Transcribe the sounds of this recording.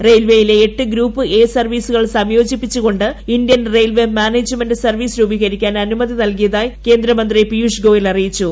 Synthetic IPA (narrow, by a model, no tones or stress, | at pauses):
rejlʋejile̞ːʈːɨɡɾuːpːɨʔe̞ːsɐrʋiːsuɣɐɭsɐmjo̞ːd͡ʑipːit͡ɕːuɣo̞ɳɖɨindjɐnre̞jlʋemʲaːneːd͡ʑmɐnɖɨsɐrʋiːsɾuːbiɣɐɾikʲːaːnɐnumɐðinɐlk̬ijɐðaːjke̞ːnd̪ɾɐmɐnd̪ripijuʂɡo̞ːjilɐrijit͡ɕːu